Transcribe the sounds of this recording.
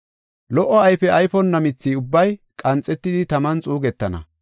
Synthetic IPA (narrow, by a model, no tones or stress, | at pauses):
lɔʔɔɐjfɛɐjfɔnːɐmɪt͡sːiːʊbːɐjkʼɐnt͡sʼːɛt̪ːɪd̪ɪt̪ɐmɐnt͡sʼuːɡɛt̪ːɐnɐ̰